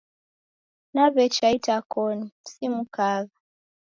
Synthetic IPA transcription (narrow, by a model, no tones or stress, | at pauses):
naβɛt͡ʃaitakɔnisimukaɣa